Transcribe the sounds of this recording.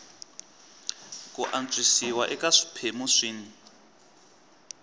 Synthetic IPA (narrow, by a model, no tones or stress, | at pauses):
kʼuʔant͡sʼisiwaʔɛkaʂi̥pʰemuʂiːni